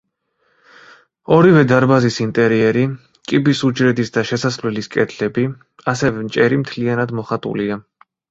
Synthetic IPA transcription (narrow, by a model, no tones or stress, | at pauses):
ɔɾivɛd̪aɾbazisint̪ʼɛɾiɛɾi | kʼibisud͡ʒɾɛd̪isd̪aʃɛsaslɛliskʼɛt̪ʰlɛbi | asɛvɛmt͡ʃʼɛɾimt̪ʰlianad̪mɔχat̪ʼṵlia